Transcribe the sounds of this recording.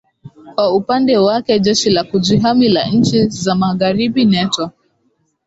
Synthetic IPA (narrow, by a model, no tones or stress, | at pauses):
kwaupandɛwakɛd͡ʒɛʃilakud͡ʒiɦamila̰n̩t͡ʃizamaɣaɾibinɛtɔ